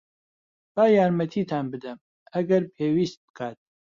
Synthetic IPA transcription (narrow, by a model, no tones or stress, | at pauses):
b̥aːjaːɾmɐt̪ʰiːt̪ʰaːnbɨd̪ɨm | ɐɡɐɾpʰeːwiːst̪̚bɨ̥kʰaːt̪̚